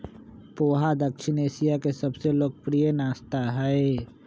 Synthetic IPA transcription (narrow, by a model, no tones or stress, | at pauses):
poːɦad̪əkʃneːsijakesɐbseloːɡ̚pɾijənaːst̪aɦɛe